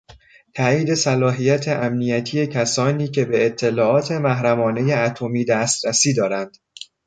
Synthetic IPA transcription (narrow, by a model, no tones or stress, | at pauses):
t̪ʰæːiːd̪e̞sælɒːɦijæt̪ʰe̞ʔæmnijæt̪ʰiːje̞cʰæsɒːniːcʰe̞be̞ːt̪ʰːe̞lɒːʔɒːt̪ʰe̞mæɦɾæmɒːne̞jeæt̪ʰo̞miːd̪æst̪ɾæsiːd̪ɒːɾænd̪̥